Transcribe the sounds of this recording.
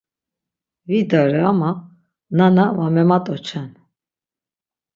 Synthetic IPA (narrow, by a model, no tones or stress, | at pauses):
vid̪aɾɛama | nanavamɛmat̪ʼɔt͡ʃʰan